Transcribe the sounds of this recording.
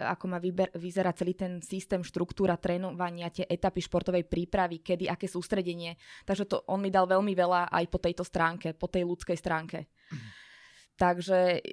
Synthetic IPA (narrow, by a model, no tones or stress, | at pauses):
a̰kɔmaibɛʋizɛɾat͡sɛliːt̪ɛnsist̪ɛːmʃt̪ɾukt̪uːɾat̪ɾɛːnɔʋaɲɪat̪ɪɛʔɛt̪apiʃpɔɾt̪ɔʋɛjpɾiːpɾaʋikɛd̪iʔakɛːsuːst̪ɾɛɟɛɲɪɛt̪aɡʒɛt̪ɔ̰ʔɔnmid̪alʋɛʎmiʋɛlaʔa̰jpɔt̪ɛjt̪ɔst̪ɾaːŋkɛpɔt̪ɛjlut͡skɛjst̪ɾaːŋkɛ | t̪aɡʒɛ